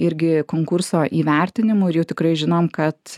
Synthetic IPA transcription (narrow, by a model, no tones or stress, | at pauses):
ɪɾʲɡʲɪkoːŋkʊɾsoːʔiːʋʲɛɾʲt̪ʲɪnʲɪmʊɪɾjɛʊt̪ʲɪkɾɐɪʒʲɪnoːmkɐt̪